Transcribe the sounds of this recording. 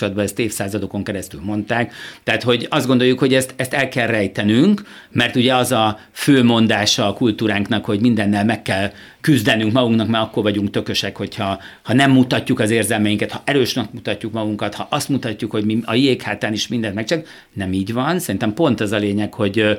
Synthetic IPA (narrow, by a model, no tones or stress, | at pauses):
olɒd̪̚bɒɛst̪eːfsaːzɒd̪o̞ko̞ŋkɛɾɛst̪ylmo̞nt̪aːkt̪ɛɦːt̪ho̞ɟɒzd̪ɡo̞nd̪o̞jukho̞ɟɛst̪ɛst̪ɛlkɛlrɛjt̪ɛnyŋk | mɛrt̪uɟɛɒzɒ | føːmo̞nd̪aːʃɒːkult̪uːɾaːŋknɒkho̞ɟmind̪ɛnːɛlmɛkːɛl | kyzd̪ɛnyŋkmɒɡuŋknɒkmaːɾkːo̞rvɒɟuŋkt̪ø̞kø̞ʃɛkho̞chɒhɒnɛmːut̪ɒcːukɒzeːrzɛlmɛjiŋkɛt̪hɒʔɛɾøːʃnɛkmut̪ɒcːukmɒɡuŋkɒt̪hɒʔɒst̪mut̪ɒcːukho̞ɟmiɒjijeːkhaːt̪aːniʃmind̪ɛnt̪mɛkt͡ʃɛl | nɛmiːɟʋɒnsɛɾint̪ɛmpo̞nt̪ɒzɒleːɲɛkho̞ɟ